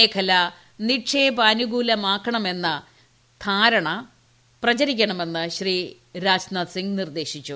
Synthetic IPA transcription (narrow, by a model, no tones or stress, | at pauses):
eːkʰɐlɐ | niʈʂeːbɐːnuɡuːlɐmaːkʰːɐɳɐme̞nːɐ | t̪ʰaːɾɐɳɐ | prɐt͡ɕɐɾikʲːɐɳɐme̞nːɨɕri | ɾaːd͡ʑnɐt̪siŋɡnird̪e̞ːɕit͡ɕːu